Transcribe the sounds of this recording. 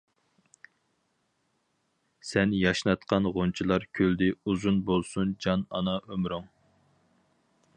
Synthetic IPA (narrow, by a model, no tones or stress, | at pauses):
sɛnjɑʃnɑt̪qɑnʁont͡ʃʰilˠɑɾkʲʰøld̪ɪuzunbolˠsund͡ʒɑnɑnɑʔømɾuŋ